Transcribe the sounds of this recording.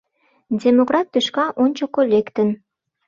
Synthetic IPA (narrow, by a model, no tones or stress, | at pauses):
dʲemokrɑt̪ːøʃkɑʔonʲt͡ɕokolʲekt̪ə̆n